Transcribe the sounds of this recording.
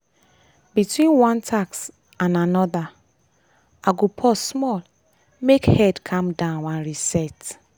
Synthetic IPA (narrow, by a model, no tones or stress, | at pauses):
bitwĩnwãntʰaks | ãnanɔða | aɡopʰɔsmɔl | mekhɛdkʰãmdãʊnwãnɹisɛt